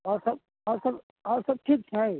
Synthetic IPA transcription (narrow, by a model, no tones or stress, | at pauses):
ɔːɾsɐb̚ | ɔːɾsɐb | ɔːɾsɐb̚ʈʰik̚t͡ʃʰɛ